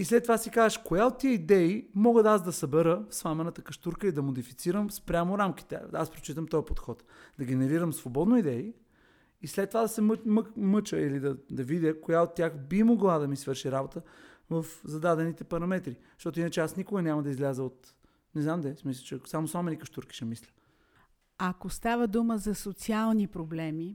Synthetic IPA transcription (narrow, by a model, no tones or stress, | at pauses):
islɛt̪ːovasikazəʃkojaot̪ːiəid̪ɛimɔɡət̪asd̪ɐsɐbɛɾəfsvˠamɛnət̪əkɐʃt̪uɾkəid̪ɐmod̪ifi̥t̪siɾəmspɾʲamoɾamkʲi̥t̪ɛ̰aspɾo̥t͡ʃit̪əmt̪ɔjpot̪xɔt̪ | d̪ɐɡ̟ʲɛnɛɾiɾəmsvobɔd̪noid̪ɛi | islɛt̪ːovad̪ɐsɛmmmɤt͡ʃəilid̪ɐd̪ɐvid̪ʲəkojaot̪ʲːjaxbimoɡlˠad̪ɐmisvɤɾʃiɾabot̪ə | vɐfzɐd̪ad̪ɛnit̪ɛpɐɾɐmɛt̪ɾi̥ | ʃt̪ɔt̪ʊinət͡ʃɛasnikoɡənʲamɐd̪ɐizlʲazəot̪ | nɛznamd̪ɛsmisət͡ʃɛsamosamɛnikəʃt̪uɾki̥ʃɛmislʲə̥ | ɐkost̪avəd̪uməzɐsot̪sialˠnipɾoblɛmi